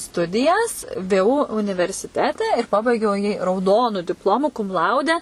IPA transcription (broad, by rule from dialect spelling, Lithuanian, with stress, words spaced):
ˈstʊdʲɪjɛs ˈʋʲeː ˈuː ʊnʲɪʋʲɛrʲsʲɪˈtʲæːtʲɛ ɪr pɐˈbɐɪɡʲɛʊ jiː rɐʊˈdoːnʊ dʲɪpˈlˠoːmʊ kʊm ˈlˠɐʊdʲɛ